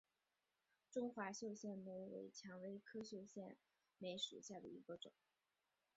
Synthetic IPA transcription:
ʈ͡ʂʊ˥ŋxwa˧˥ɕjo˥˧ʊɕjɛ˥˩nme˧˥˩ɪwḛ˧˥ɪt͡ɕʰjɑ˧˥ŋwe˥ɪkʰɤ˥ɕjo˥˧ɕjɛ˥˩n | me˧˥ɪʂṵ˨˧˥ɕja˥˩d̪ə̰˩i˧˥ɡə˧ʈ͡ʂʊ̰˨˩˦ŋ

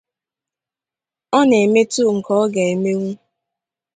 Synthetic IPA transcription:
ɔ˦ne˨me˦tu˦˨ŋ̩˨kɔ˦ɔ˦ɡe˨e˨me˦ŋʷu˦

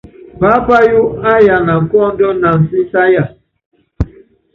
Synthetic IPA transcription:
pa˦pa˦ju˦a˦ja˨na˨kɔ˦n̩˦do˦na˨ŋ̩˨si˦sa˦ja˨

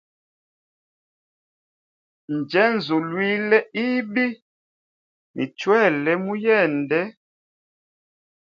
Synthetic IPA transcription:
n̩˨d͡ʒɛ˨˦n̩˨zo˨lwi˦lɛ˦i˦bi˦ | nḭ˨t͡ʃwɛ˦˨lɛ˦mu˦jɛ˦˨n˨dɛ˦

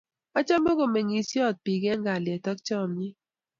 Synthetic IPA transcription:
ɔ˦t͡ʃa˦mbo˦ɡo˨mɛ˨ŋi˨sjɔ˦˨t̪̚pi˨ɡɛ˦ŋɡa˨ljɛ˨tɔ˦kt͡ʃɔ˦˨mɲi˦

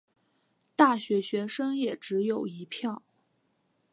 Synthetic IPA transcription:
t̪a˥˩ɕɥɛ˧˥ɕɥɛ˧˥ʂɤ˥ŋjɛ˨˩ʈ͡ʂɻ̩˧˥jo˨˩ʊi˧˥pʰjɑ˥˩ʊ

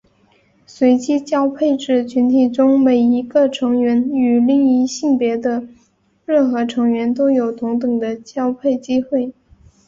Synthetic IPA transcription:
swe˧˥ɪt͡ɕi˥t͡ɕjɑ˥ʊpʰe˥˧ɪʈ͡ʂɻ̩˥˩t͡ɕʰy˧˥nt̪ʰi˨˩ʈ͡ʂʊ˥ŋme˨˩ɪi˧˥ɡə˧ʈ͡ʂʰɤ˧˥ŋɥɛ˧˥ny˨˩li˥˩ŋi˥ɕi˥˩ŋpjɛ˧˥d̪ə˧ | ɻə˥˩nxɤ˧˥ʈ͡ʂʰɤ˧˥ŋɥɛ˧˥nt̪o˥ʊjo˨˩ʊt̪ʊ˧˥ŋt̪ɤ˨˩ŋd̪ə˦t͡ɕjɑ˥ʊpʰe˥˩ɪt͡ɕi˥xwe˥˩ɪ

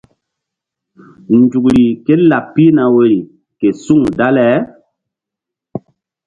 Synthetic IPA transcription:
nd͡ʒu˨kɾi˨ke˦la˨pːi˦na˨we˨ɾi˨ | ke˨su˦ŋda˦lɛ˦

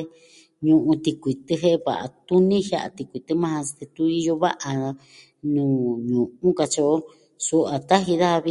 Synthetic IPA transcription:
e˧ | ɲũ˧ʔũ˧t̪i˧kʷi˨t̪ɨ˧ɦe˦˧βa̰˨ʔa̰˨t̪u˦nĩ˦hja̰˦ʔa̰˧˨t̪i˧kʷi˨t̪ɨ˦mã˦˧hḁ̃˧t̪e˧t̪u˧˦i˧jo˧βa̰˦ʔa˧ | nũː˨ɲũ˨ũ˦ka˧t͡ʃo˧ʔo˦ | su˧ʔa˨t̪a˦ɦi˧ða˦a˧βi˧

